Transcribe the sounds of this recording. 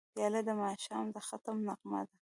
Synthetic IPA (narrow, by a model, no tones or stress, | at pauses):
bjɑlad̪əmɑʃɑmd̪əxat̪amnaqma̰d̪a